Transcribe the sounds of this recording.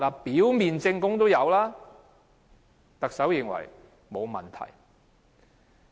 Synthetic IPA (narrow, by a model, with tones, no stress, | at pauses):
laː˨piː˨˥wmiː˨nt͡sɪ˧ŋkʊ˥ŋt̪o˥wjɐ˨˧wlaː˥ | t̪ɐ˨k̚sɐ˨˥wjɪ˨˧ŋwɐ̰˨˩j | mo˨˧wmɐ̰˨˩nt̪ʰɐ̰˨˩j